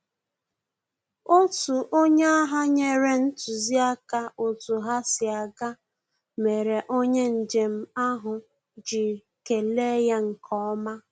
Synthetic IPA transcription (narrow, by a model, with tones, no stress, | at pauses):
o˦tu˨ʔo˦ɲe˦a˦ɦa˦ɲe˦ɾe˦n̩˦tu˨zi˦a˦ka˦o˨tu˨ɦa˦sɪ˨a˨ɡa˦ | me˨ɾe˨ʔo˦ɲe˦n̩˨d͡ʒe˨m̩˦a˦ɦʊ˨ | d͡ʒi˨ | ke˨le˦ja˦ŋ̩˨kʰɔ˦ɔ˦ma˦